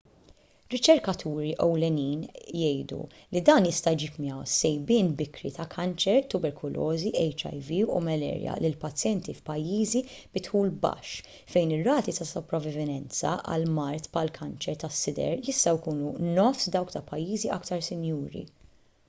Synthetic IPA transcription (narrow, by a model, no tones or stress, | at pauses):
ɾɪt͡ʃɛɾkɐt̪ʰuːɾiʔɔwlɛniːnjɛjd̪ṵ | lid̪ɐːnjɪst̪ɐjd͡ʒiːpmiɐwsːɛjbɪːnbɪkɾit̪ɐkʰɐnt͡ʃɛɾt̪ʊbɛɾkʰʊlʔɔːziɛjt͡ʃɐ̰jviṵmɛlɛ̰ːɾjɐ̰lɪlpɐt͡sːjɛnt̪ifpɐjːiːzib̥ɪt̪ħuːlbɐ̰ʃː | fɛjnɪrːɐːt̪it̪ɐsɔpɾɐvɪvɪnɛnt͡sɐ̰ʔɐ̰lmɐɾt̪pʰɐlkʰɐnt͡ʃɛɾt̪ɐsːɪd̪ɛ̰ɾjɪst̪ɐjkuːnunɔfsd̪ɐwkt̪ɐpɐjːiːziʔɐkt̪ɐɾsɪnjuːɾḭ